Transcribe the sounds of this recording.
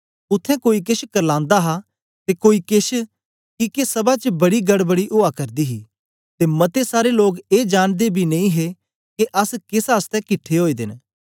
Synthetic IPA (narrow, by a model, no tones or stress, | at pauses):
ʊt̪ʰːɛ̃koːik̬ɪʃkɐɾlãːnd̪aɦa | t̪ekoːikeʃ | kikesɐbat͡ʃəbɐɽiɡɐɽbɐɽiʔoakɐɾd̪iɦi | t̪emɐt̪esaːɾeloːɡeːd͡ʒaːnd̪ebʱinɐ̃ĩɦe | keʔɐskeːsaːst̪ɛ̃kɪʈʰeɦoːid̪ɪ̰n